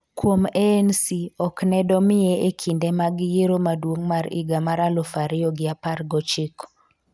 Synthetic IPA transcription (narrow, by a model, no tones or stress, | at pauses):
kwomensiɔknɛdɔmɪeekʰindemaɡɪjeɾomadwoŋmaɾḭɡamaɾalofaɾɪɔɡɪapaɾɡɔt͡ʃɪk